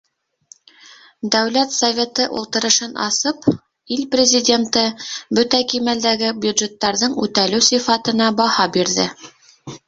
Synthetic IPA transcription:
d̪æwlæt̪sɐvʲe̞t̪ɤʔṵlˠt̪ɤ̆ɾɤ̆ʃɤnʔɑ̰sɤp | ilprʲɪzʲɪdʲent̪ɤbɵt̪ækimæld̪æɡɘbjʉd̪ʒet̪ːɑɾðɤɴʉt̪ælɘwsifɑt̪ɤ̆nɑbɑhɑbiɾðɘ̰

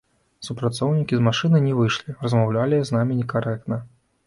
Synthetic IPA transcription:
supɾat̪sɔwnʲikʲizmaʂɨnɨjnʲɛvɨʂlʲirɐzmawlʲalʲiznamʲinʲɛkaɾɛk̚t̪nɐ

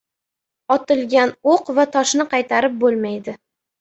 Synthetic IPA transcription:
ɒt̪ɪlˠɡʲanoqvat̪ʰɒʃnɪqʰɑjt̪ʰaɾɪp̚bolˠmajd̪ɪ

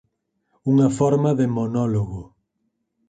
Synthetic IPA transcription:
uŋɐfɔɾmaðemonɔloɣo

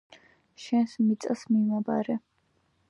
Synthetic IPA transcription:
ʃɛnsmit̪sʼsmimaba̰ɾɛ

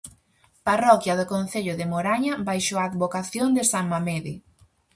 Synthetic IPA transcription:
parɔkjɐðʊkon̟θeʎʊðɪmoɾaɲabajʃoaːd̪βokaθjond̪ɪsaŋmameðɪ

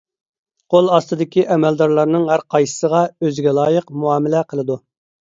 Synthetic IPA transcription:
qʰolˠɑst̪ɨd̪ɪkʲiʔɛmɛld̪ɑɾlˠɑɾnɨŋɦæɾqʰɑjsə̥səʁɑøzɪɡʲɛlˠɑːjəqmuɑːmɪlɛqʰəlˠɨd̪u

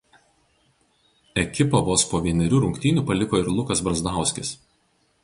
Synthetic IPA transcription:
ɛkʲɪpɐʋoːspoːʋʲiɛnʲɛɾʲuːˑɾʊŋʲkʲt̪ʲɪːnʲuˑpɐlʲɪkoːɪɾlˠʊkɐsbɾɐzd̪ɑˑʊsʲkʲɪs

